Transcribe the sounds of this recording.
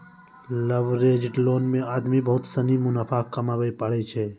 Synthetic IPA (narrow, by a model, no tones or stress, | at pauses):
ləʋɾeːd͡ʒʈloːnmẽaːd̪mibəɦʊt̪sənimʊnapʰaːkkːəmaːbəipəɽet͡ʃʰɛ